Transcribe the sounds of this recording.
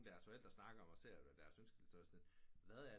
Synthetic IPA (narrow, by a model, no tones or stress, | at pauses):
d̥æɐsfɒ̽el̰d̥ʁɐsnɑ̈ɡ̥ɐɒ̽mɒse̝ɐ̰æd̥æːɐsønsɡ̥l̩sɒsɒnʋæðˠæɐ